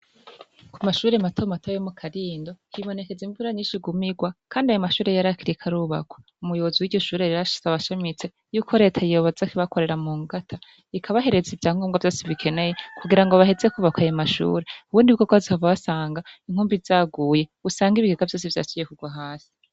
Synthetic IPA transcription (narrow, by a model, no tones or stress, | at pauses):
kumaʃuːɾematʰomatʰojomukʰaɾiːndo̞hiβo̞ne̞ke̞ziɱvuɾaɲiːʃiɡumiɡwakʰaːndiajomaʃuːɾe̞jaɾakiɾikʰaɾuβa̰kʰo̥ | umujo̞βoziwiɟo̞ʃuːɾeɾiaʃi̥zaβaʃamit͡se | juːkʰo̞ɾe̞ːtʰajijo̞βozakiβakʰo̞ɾe̞ɾamuːŋɡatʰa | ikʰaβaɦe̞ɾe̞zivjaːŋɡomɡavjo̞ːsiβikʰe̞ne̞jekʰuɡiɾaŋɡo̞βahe̞ze̞kuβakwajamaʃṵːɾeuβuːndiβɡkoɡwazikaβvaβasaːŋɡaiŋ̥huːmbizaːɡuːje̞usaːŋɡiβiɡeɡavjo̞ːs̬ivja̰ːt͡ʃijekuɡwaɦaːsi̥